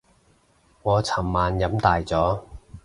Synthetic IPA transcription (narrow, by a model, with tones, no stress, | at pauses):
ŋɔː˨˧t͡sʰɐ˨˩mːaː˨njɐ˨˥mt̪aː˨jt͡sɔː˨˥